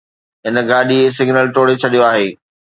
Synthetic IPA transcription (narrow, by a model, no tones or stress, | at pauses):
ɦɪnə̆ɡaːɗies̬ɪɡnəlʈoːɽet͡ɕʰɐɗijoaːɦeː